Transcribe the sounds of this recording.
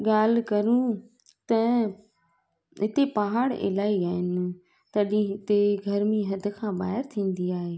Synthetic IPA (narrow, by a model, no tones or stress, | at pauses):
ɠaːl̤kɐɾũ | t̪ɐ | ɦɪt̪epɐɦaːɽḛlaːiaːɦɪn | t̪ɐɗĩɦɪt̪eɡʱɐɾmẽɦɐd̪̆ʱkʰãːbaːɦɪɾt̪ʰĩːn̆d̪iaːɦeː